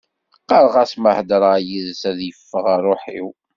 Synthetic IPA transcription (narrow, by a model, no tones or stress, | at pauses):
qːɑɾˤʁæsməhd̪ɾˤjiðsæðjəfːəʁarˤoħḭw